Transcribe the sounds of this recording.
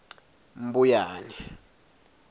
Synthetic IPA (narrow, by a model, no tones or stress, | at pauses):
m̩bujaːnɛ